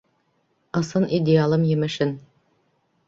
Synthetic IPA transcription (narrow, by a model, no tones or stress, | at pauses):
ɤ̆sɤnʔidʲɪalˠɤmjɘ̆mɘ̆ʃɘn